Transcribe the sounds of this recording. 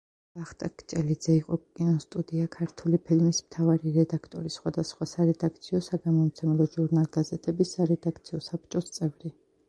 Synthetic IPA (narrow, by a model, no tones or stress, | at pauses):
b̥aχt̪ʼakʰʼt͡ʃʼɛlid̪zɛiqʼɔkʼinɔst̪ʼud̪iakʰaɾt̪ʰulipʰilmismt̪ʰavaɾiɾɛd̪akʰt̪ʼɔɾisχwad̪asχwasaɾɛd̪ak̚ʰt̪sʰiɔsaɡamɔmt̪sʰɛmɛlɔʒuɾnalɡ̥azɛt̪ʰɛbisaɾɛd̪ak̚ʰt̪sʰiɔsap̚ʰt͡ʃʼɔst̪sʼɛvɾi